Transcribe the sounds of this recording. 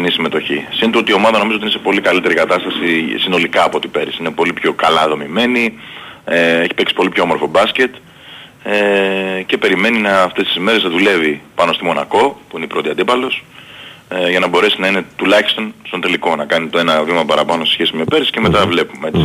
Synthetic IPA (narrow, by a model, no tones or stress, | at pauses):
nisime̞t̪o̞çisint̪oot̪io̞mɐðɐnomizot̪inesepo̞likɐlit̪e̞ɾikɐt̪ɐst̪ɐsisino̞likɐːpot̪ipe̞ɾsiine̞po̞lipço̞kɐlɐðo̞mime̞ni | e̞çi̥peksi̥po̞lipçomo̞ɾfo̞bɐsce̞t̪ | ece̞pe̞ɾime̞ninɐːft̪est̪isime̞ɾe̞znɐðule̞vipɐno̞st̪imo̞nɐko̞puineipɾo̞t̪iɐnd̪ipɐlo̞s | ʝɐnɐbo̞ɾe̞sinɐine̞t̪ulɐçi̥st̪o̞nst̪o̞nt̪e̞liko̞nɐkɐnit̪o̞e̞nɐvimɐpɐɾɐpɐno̞sesçe̞simepe̞ɾsi̥ce̞me̞t̪ɐvle̞pume